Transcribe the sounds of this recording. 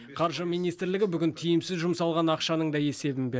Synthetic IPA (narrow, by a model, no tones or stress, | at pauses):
qʰɑɾʒəmijnijst̪ɾlɪɡʲɪbʏɡʲɪnt̪ʰijɪmsɪzʒʊmsɑlˠʁɑnɑqʃɑnəɴd̪ɑje̞se̞bɪnbe